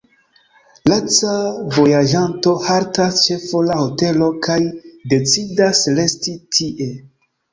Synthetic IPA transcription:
lat͡savo̞jaʒanto̞haɾtast͡ʃe̞folahote̞lo̞kajde̞t͡sidasle̞stitʰiʔe̞

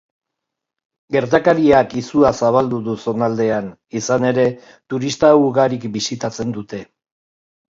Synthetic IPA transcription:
ɡe̞ɾt̪akaɾiakisuasaβ̞ald̪uðuso̞nald̪e̞an | isane̞ɾe̞ | t̪uɾist̪auɣaɾikbisit̪at͡se̞nd̪ut̪e̞

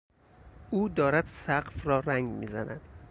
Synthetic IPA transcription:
uːd̪ɒːɾæd̪̥sæɢfrɒːɾæŋɡmḭːzæ̰næ̰d̪̥

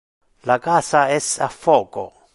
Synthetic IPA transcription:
lakasaɛsa̰foko̰

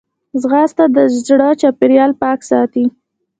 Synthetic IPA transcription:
zɣɑst̪ad̪əʒzɽɑt͡ʃɑpeɾjɑlpɑksɑt̪i

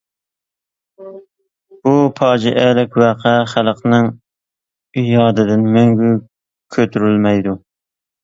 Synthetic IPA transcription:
bupʰɑːd͡ʒiʔɛlɪkʲwæqʰɛχælˠqnɨŋ | ijɑːd̪ɨd̪ɪnmøŋɡʲy | kʲʰøt̪ʰyɾylmɛjd̪u

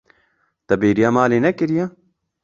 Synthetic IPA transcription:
t̪ɐbeːɾijamaːleːnɐkɪɾija

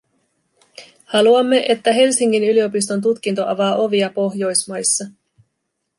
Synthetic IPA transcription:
hɑluɑmːe̞ʔe̞t̪ːæɦe̞lsiŋːinylio̞pis̬t̪o̞nt̪̬ut̪k̟int̪o̞ʔɑʋɑːʔo̞ʋiɑpo̞ɦjo̞jsmɑjsːɑ

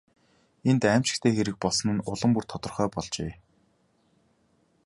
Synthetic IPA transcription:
ent̪æːm̥t͡ɕɪ̆kt̪ʰeːxeɾɘ̆k̚pɔɮsɞ̆nɘ̆nʊɮə̆mpurt̪ʰɔt̪ɞ̆rχœːpɔɮt͡ɕeː

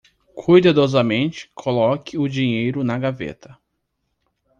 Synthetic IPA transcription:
kʰujd̪ad̪ɔzɐmẽt͡ʃɪ̥kʰolɔkɪʊd͡ʒiɲejɾʊnɐɡavḛt̪ʰɐ

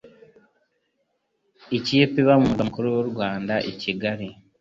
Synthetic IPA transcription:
iciːpiβamumuɡamukoɾowoɾɡwaːndaʔiciɡaɾi

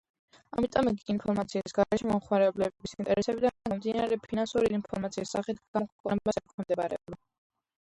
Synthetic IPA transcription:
a̰mit̪ʼɔmiɡiinpʰɔɾmat̪sʰiisɡaɾɛʃɛmɔmχmaɾɛblɛbbisint̪ʼɛɾɛsɛbid̪amd̪inaɾɛpʰinansuɾiinpʰɔɾmat̪siisːaχit̪ʰɡakʰkʼɔɛmasɛkʰɔmd̪ɛbaɾɛ̰ɔba

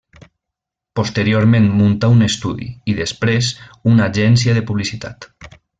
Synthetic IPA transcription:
post̪eɾioɾmẽnmunt̪aunest̪uðḭiðespɾezunaʒɛnsjaðepuβlisit̪a̰t̪

